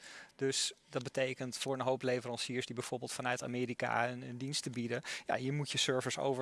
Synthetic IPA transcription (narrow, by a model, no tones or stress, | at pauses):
d̥ɵsdɑd̚bətejkəntfʊːɹənɦowplejvərɑnsiːəɹsdibɛjv̥ʊːɹbɪːlˠtfɑnœɥta̰ːmɪːɾika̰nəndinstəbidəja̰jəmutjəsøɹvəso̰wvə